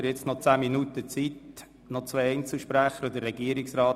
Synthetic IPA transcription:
ɾjɛt͡snɔt͡sæːminut̪ət͡sit | nɔt͡sʋeɪɛɪnt͡sl̩ʃpɾæχəɾd̪ərːɛɡiəɾɪksɾɑː

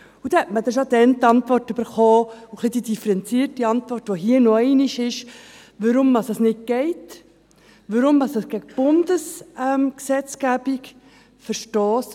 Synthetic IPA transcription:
ud̥̪ɛhɛtməd̪ɛʃodɛnt̪ɑnt̪vʋɔrtʉbəɾχɔːuχlid̪̥id̥̪ifəɾɛnt͡siːrtiɑnt̪vʋɔrtʋɔɦiənɔɛɪniʃɪʃ | ʋəɾʊmdɑsɑsnɪt̚ɡɛɪt | ʋəɾʊmdɑsəsɡ̥æɡəb̥ʊnd̥̪əsɛmksɛt͡sɡ̥æb̥ik | fəɾʃtoːs

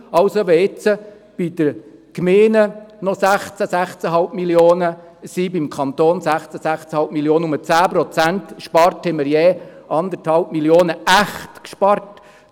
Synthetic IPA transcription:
ɑwsoʋɛɪt͡sə | b̥id̪̥əɾkmeːnənɔsæχt͡səsæχt͡səɦɑlpmiljoːnə | sibimkʰχɑnt̪oːnsæχt͡səsæχt͡səhɑlp̚miljoːnəʊmət͡sæːprɔt͡sænt̪ʃpɑɾthɛməɾjɛːʔɑnd̪əɾthɑlp̚miljoːnəæχtkʃpɑrt

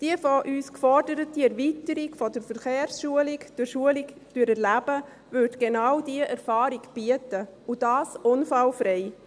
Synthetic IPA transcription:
d̥iəfoʔyːskfɔɾdəɾətiɛɾvitəɾiɡfɔdəɾfəɾχeːɾsʃuəlɪkd̥ʊɾʃuəlɪkd̥øəɾɛɾlæb̥ə | vʏɾdɡ̥enɑwdiəʔɛɾfɑːɾiɡb̥iətəud̥ɑːsʔʊnfɑlfɾɛɪ

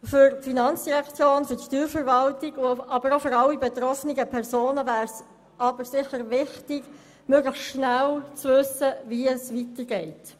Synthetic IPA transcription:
fʏɾtfinɑnt͡sd̥iʁɛkt͡sjoːnfʏtʃtyːɾfəɾvɑltɪɡɑbəɾofʏɾɑlːibetɾɔfniɡəpʰɛʁzoːnəvæːɾs | ʔɑb̥əɾsɪχəɾvɪχtɪɡ | mœɡləxʃnælt͡svʏsəviɛsʋitəɾɡɛɪt

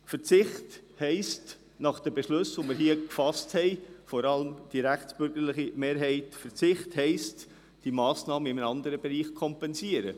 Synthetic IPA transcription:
fəɾt͡sɪχthɛɪst | nɑχd̥əbɛʃlɵsʋomɪɾɦiəkfɑsthɛɪfɔɾɑləmd̥iɾæχt͡sb̥ʏɾɡ̥əɾlɪχimeːɾɦɛɪtfəɾt͡sɪχthɛɪst | d̥imɑːsnɑːməɪmənɑnd̪əɾəbɛɾiːχkʰɔmpɛnsiəɾə

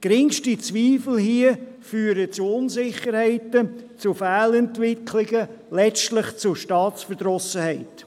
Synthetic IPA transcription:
ɡ̥ɾɪŋʃtit͡sʋiːfl̩ɦiə | fyːəɾət͡suʊnzɪχəɾhɛɪtət͡sufæːlɛntʋɪkʰlɪɡə | lɛt͡ʃtlɪχt͡sʊʃtɑːt͡sfəd̥ɾɔsəhɛɪt

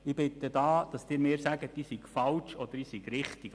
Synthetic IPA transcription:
ɪb̥ɪt̪əd̪ɑːd̥ɑsd̥̪ɪːɾmeːɾsæɡətdiːsiɡ̥fɑlt͡ʃɔd̥̪əɾiːsiɡ̥ɾɪχt̪iɡ

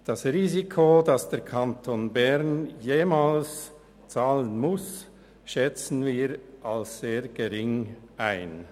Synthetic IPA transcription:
d̥ɑsʁiːzikʰodɑsd̥ɛɐɾkʰantʰonbɛʁnjeːmaːls | t͡saːlənmʊs | ʃɛt͡sn̩viːɾʔalsz̥eːɡ̥eʁɪŋʔaɪn

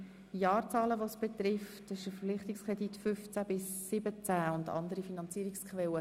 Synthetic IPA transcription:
jɑːrt͡sɑːləʋosb̥et̪rɪftɛsɪʃəfəflɪχt̪ɪkskʁɛditfʏft͡sæb̥ɪsːɪbət͡sæʊndɑ̰ndəɾifinɑnt͡siːɾɪkskʰʋɛlə

